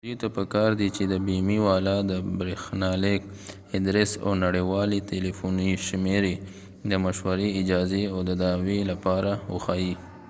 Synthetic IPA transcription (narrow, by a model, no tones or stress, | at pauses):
d̪ujt̪apəkɑɾd̪it͡ʃed̪əbimiwɑlɑd̪əbɾexnɑlek | ɪd̪ɾesa̰wnaɽewɑleʈelifuniʃmeɾe | d̪əmaʃwaɾeɪd͡ʒɑzeawd̪əd̪ɑwelapɑɾawəxaji